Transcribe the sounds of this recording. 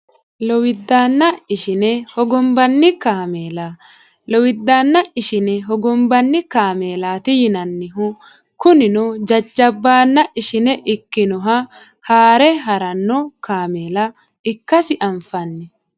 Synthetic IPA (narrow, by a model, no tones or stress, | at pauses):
lɔwɪd̪ːaːnːɐɪʃɪnɛhɔɡɔmbɐnːɪkaːmeːla | lɔwɪd̪ːaːnːɐʔɪʃɪnɛɦɔɡɔmbɐnːɪkaːmeːlaːt̪ɪjɪnɐnːɪɦʊ | kʊnɪnʊd͡ʒɐd͡ʒːɐbːaːnːɐʔɪʃɪnɛʔɪkːɪnɔɦɐ | haːɾɛɦɐɾɐnːɔkaːmeːlɐ | ɪkːɐsɪʔɐɱfɐnːɛ